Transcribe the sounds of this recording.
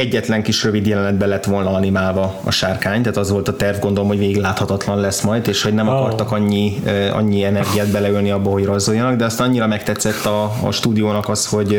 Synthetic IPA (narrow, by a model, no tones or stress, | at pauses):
ɛɟːɛt̪lɛŋkiʃrøvid̪jɛlɛnɛd̪bɛlɛt̪ːʋo̞lnɒɒnimaːlvɒɒ̰ʃaːrkaːɲt̪aːt̪ɒzʋo̞lt̪ɒt̪ɛrvɡo̞nd̪olomɦo̞ɟveːɡiɡlaːt̪hɒt̪ɒt̪lɒnlɛsmɒjd̪eːʃho̞ɟnɛmɒkɒrt̪ɒkɒɲːiɒ̰ɲːiɛnɛrɡijaːd̪̚bɛlɛylniɒbːɒɦo̞ɟrozːojːɒnɒɡd̪ɛɒst̪aːnɒɲːiɾɒmɛkt̪ɛt̪sːɛt̪ːɒ̰ːʃt̪uːd̪ijoːnɒkɒsho̞ɟ